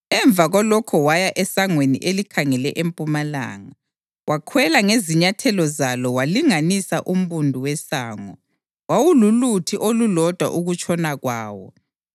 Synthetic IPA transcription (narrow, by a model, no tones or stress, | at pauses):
ɛɱb̪vʱaɣɔlɔkʰɔwajaʔɛsaŋwenḭʔelikʰaŋɛlɛʔempʼumala̰ːŋa | wʔakʰwɛlaŋeziɲatʰɛlɔzalɔwaliŋanisaʔum̩βundʱuwɛsaːŋɔ | wawululutʰiʔolulɔd̥ʱwa̰ʔuɣut͡ʃʼɔnaɣwa̰ːwɔ̰